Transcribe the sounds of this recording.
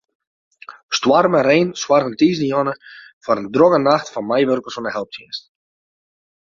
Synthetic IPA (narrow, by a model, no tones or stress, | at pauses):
stwarməɾeːnswarəntiːzdəjɔnəfɔɾəndroɣənaxtfɔnmajʋørkəlˠsɔnəhɛlˠp̚tʰjinst